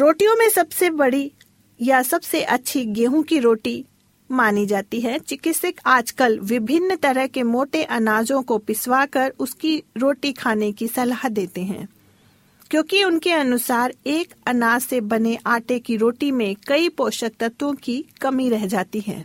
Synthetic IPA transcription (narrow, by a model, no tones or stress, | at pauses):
ɾoːʈijõmẽsɐbsebɐɽi | jasɐbseʔɐtːʃʰiɡeːɦũkiɾoːʈi | maːnid͡ʒaːt̪iɦɛt͡ʃɪkɪt̪sɪkaːd͡ʒkəlʋɪbʱɪnːt̪ɐɾəɦkemoːʈeʔɐnaːzõkopɪswakɐɾʊskiɾoːʈikʰaːnekisɐlaːɦd̪eːt̪eɦɛ̰̃ː | kjõːkiʊnkeɐnʊsaːɾeːkɐnaːzsebɐneʔaːʈekiɾoːʈimẽkɐipoːʃək̚t̪ət̪wõkikɐmiɾɛɦd͡ʒaːt̪iɦɛ̰̃ː